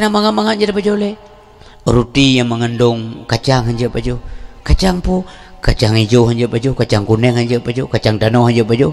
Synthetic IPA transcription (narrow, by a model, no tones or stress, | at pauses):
namaŋamaŋaʔɲd͡ʒaɾapad͡ʒole | ɾut̪ijaŋməŋəndɔŋkat͡ʃaŋɦaɲd͡ʒəpad͡ʒokat͡ʃaŋpukat͡ʃaŋid͡ʒoɦaɲd͡ʒəpad͡ʒokat͡ʃaŋkunɛŋhaɲd͡ʒəpad͡ʒokat͡ʃaŋt̪anɔhaɲd͡ʒəpad͡ʒo